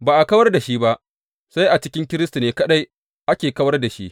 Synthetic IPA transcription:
baː˨ʔa˨kɐ˦wɐ˦rda˨ʃi˦ba˦ʔ | sa˦jʔa˨t͡ʃɪ˦kʲɪ˦ŋkʲɪ˦ɾɪ˦stu˨neː˨kɐ˦ɗa˦j | ʔa˦kʲeː˨kɐ˦wɐ˦rda˨ʃi˦ʔ

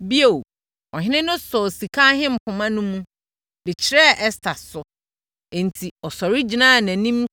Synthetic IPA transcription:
bi˦e˨w | ɔ˨ɦɪ̃˦nɪ̃˦nʊ̃˦sɔ˨si˨kʰa˦ɦɪ̃˦m̩˨pʰʊ̃˨mã˦nʊ̃˦mũ˦ | bɪ˨t͡ɕʰɪ˦ɾɛ˦˨ʔɛ˦stʰa˨sʊ˨ | ɛ̃˨n˨tʰi˨ɔ˨sɔ˨ɾi˦d͡ʑi˨nã˦˨næ̃˨nĩ˦m

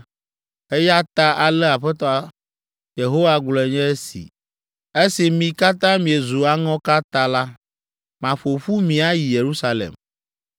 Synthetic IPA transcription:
e˦ja˦t̪a˦ʔa˨lɛ˦a˨ɸɛ˦t̪ɔ˨a˨ | je˨ɦo˦wa˦ɡ͡blɛ˨ɲɛ̃˦e˦sḭ˨ | e˦si˨mĩ˨ka˦t̪ã˦mĩ˨e˨zu˨a˨ŋɔ̃˦ka˦t̪a˦la˦ | mã˨ɸo˨ɸu˦mĩ˨a˦ji˨je˨ɾu˦sa˨lḛ˨m

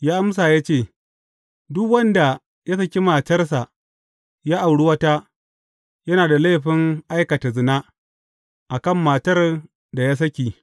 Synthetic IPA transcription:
jaː˦ʔa˦ms̬aː˨ja˦t͡ʃeː˦˨ | dʊ˦kwɐ˦nda˨ | ja˦sɐ˦kʲi˦maː˨tɐ˦rs̬a˨ʔ | jaː˦ʔa˨wɽu˦wɐ˦ta˦ | jɐ˦naː˨da˨la˦ɸɪ˦ŋʔa˦jkɐ˨ta˨zɪ˨naː˦ | ʔa˨kɐ˦˨mːaː˨tɐ˦r | da˨ja˦s̬ɐ˦kʲiː˨

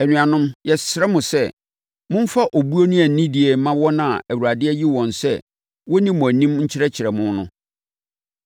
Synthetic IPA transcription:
æ˨nũ˨ã˨nʊ̃˦mjɛ˨sɾɛ˦mʊ̃˨sɛ˦˨ | mʊ̃˦m̩˦fa˦ʔo˨bu˦o˦nʊ̃˦æ˨n̩˨nĩ˦di˨ɛ˨˦mã˦wɔ˦nã˨æ˨wu˨ɾa˨dɪ˦ɛ˦ji˦wɔ̃˨nsɛ̰˦˨ | wɔ˦nĩ˦mʊ̃˨æ˨nĩ˦m˦ɲ̩˦t͡ɕʰɪ˦ɾɛ˦t͡ɕʰɪ˨ɾɛ˨mʊ̃˦nʊ̃˦

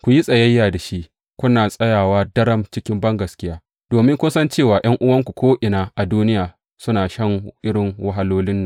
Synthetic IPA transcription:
kʷu˨ji˦sʼɐ˨jɐ˦jːaː˨da˨ʃi˦ʔ | kʷʊ˦naː˨sʼɐ˦jaː˨waː˦dɐ˦ɽɐ˦mt͡ʃɪ˦kʲɪ˦mbɐ˦ŋɡɐ˨skʲɪ˦jaː˦ | d̥oː˨mɪ˦ŋkʷʊ˦nsɐ˦nt͡ʃeː˦˨waː˨j̰ɐ˦ŋʔʊ˦wɐ˦ŋkʷu˨kʷʰoː˦ʔɪ˨naː˦ʔa˨duː˦nɪ˦jaː˨ | sʊ˦naː˨ʃɐ˦ŋʔɪ˦ɽɪ˨ŋwɐ˦ɦa˦loː˦lɪ˦nːa˨

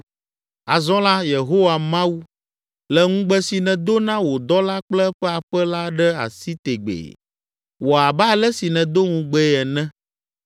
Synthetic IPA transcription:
a˨zɔ̃˦la˦je˨ɦo˦wa˨mã˦wu˦ | lɛ˦ŋũ˦ɡ͡bɛ˦si˨nɛ̃˨d̪o˦nã˦wo˨d̪ɔ˦la˦k͡plɛ˦ɸɛ˦a˨ɸɛ˦la˦ɖɛ˦a̰˨si˦t̪e˨ɡ͡bḛ˨ | wo˨a˨ba˦lɛ˦si˨nɛ̃˨d̪o˦ŋũ˨ɡ͡bɛ˦ɛ˨nɛ̃˦

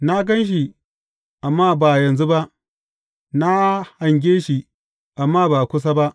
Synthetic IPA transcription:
na˦ɡɐ˦nʃ̬i˨ | ʔa˨mːaː˦baː˨jɐ˨nzu˦ba˦ʔ | na˦ha˨ŋɡʲeː˦ʃi˨ | ʔa˨mːaː˦baː˨kʷʊ˦s̬a˦ba˦ʔ

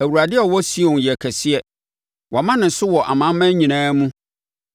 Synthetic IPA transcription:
æ˨wu˨ɾa˨dɪ˦ɔ˨wɔ˦si˦ɔ̃˨n˨jɛ˨kʰɛ˨sɪ˦ɛ˨ | wʔɔ˨mã˦nɪ̃˨sʊ˦wɔ˨ʔa̰˨mã˦mːæ̃˦ɲĩ˨nãː˦mũ˦

